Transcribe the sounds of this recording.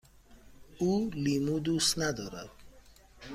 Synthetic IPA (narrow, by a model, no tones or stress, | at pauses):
ulimud̪ust̪nad̪ɔɾa̰w